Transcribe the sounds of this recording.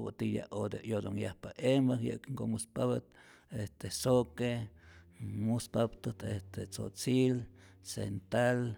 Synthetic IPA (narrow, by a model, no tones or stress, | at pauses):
baʔt̪ija̰ʔod̪eʔjod̪oŋjahpaʔembahjə̰ʔkŋkomuspaβat̪ | est̪esoke | muspabt̪ət̪est̪et͡so̰t͡sil | sḛnt̪al